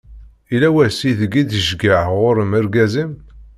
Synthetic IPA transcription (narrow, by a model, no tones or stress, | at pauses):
ilæwæsiθəɡid̪əʒɡəʕʁʊɾəməɾɡæzəm